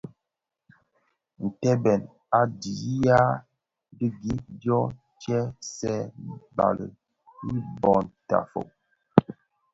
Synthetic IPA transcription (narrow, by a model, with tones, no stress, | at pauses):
n̩˨tɛ˦bɛ˨n | a˨di˨˦ja˦ | bi˦ɡi˦djɔ˦ | t͡ʃɛ˦sɛ˦ba̰˨lə̰˨ | i˦bɔ˨nta̰˨fo̰˨